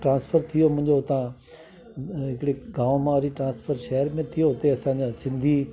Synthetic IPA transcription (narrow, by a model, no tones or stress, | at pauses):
ʈɾãːnspʰəɾt̪ʰijomʊ̃ɦɪ̃ɲd͡ʑot̪ã | ɦɪkɽeɡãːʋmãɾiʈɾãːnspʰəɾʃɛːəɾmẽt̪ʰijot̪eɐsãd͡ʑasɪ̃nd̪ʱi